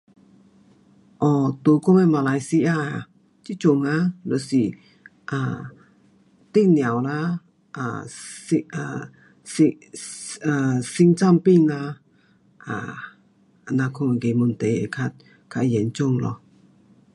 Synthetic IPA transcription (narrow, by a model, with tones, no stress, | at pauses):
ʔɔ˧˩t̪o˨˧˦kɔ˥˦˨me˧˨ma˨la˧jsi˧ʔaː˧˨a˨ | t͡ɕi˦˥t͡ɕo˧˨ŋa˧˦lɔ˨si˨ | ʔa˧˨ | t̪i˦˥k̚nja˨wla˧ | ʔa̰˨si˧a˧˨ | si˧ | a˨si˧ŋt͡sa˥˧˨mpi˥˧˨ŋla˧ | ʔa̰˨˩˨ | na˧kʰo˧ŋa˨ɡe˨mu˨nt̪e˨jḛ˨kʰa˧t̚ | kʰa˧˨jɛ˨˦nt͡ɕo˥˧˨ŋlɔ̰˧˨